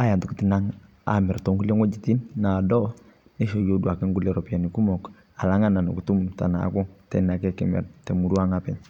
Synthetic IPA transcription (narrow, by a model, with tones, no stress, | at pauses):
a˦ja˨ntu˨kti˨na˦ŋ | a̰˨mɛ˨ɾtɔ˦ŋɡu˦le˦ŋwɔ˦d͡ʒi˨ti˦nːa˨dɔ˦ | nɛ˦ʃo˨jo˦dwa˨kɛ˦ŋɡu˦lɛ˨ɾɔ˨pi˦a˨ni˨ku˦mɔ˨k | a˨la˦ŋa˦na˨nu˨ku˨tu˦mta̰˨na̰˨˦kɔ˦ŋtɛ˦na˨kɛ˦kɛ˨mɛ̰˨ɾtɛ˨mu˨ɾu˦a˦ŋapɛ˨ɲ